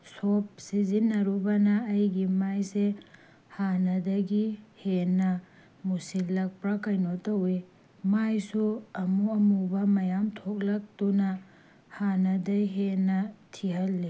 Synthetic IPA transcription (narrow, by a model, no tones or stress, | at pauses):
sop̚sizinːɐɾubɐnɐːjɡimajse | hanɐdɐɡihenːɐ | musilːɐk̚pɾɐkɐjnotɐwe | majsuɐmuɐmubɐmɐjamtʰok̚lɐk̚tunɐ | hanɐdɐjɦenːɐtʰihɐlːi